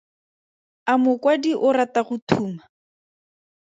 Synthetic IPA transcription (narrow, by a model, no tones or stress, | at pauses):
amʊkwadiʔʊɾataχʊtʰuːma